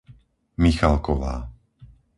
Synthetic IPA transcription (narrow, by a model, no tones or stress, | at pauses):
mixalkɔʋa̰ː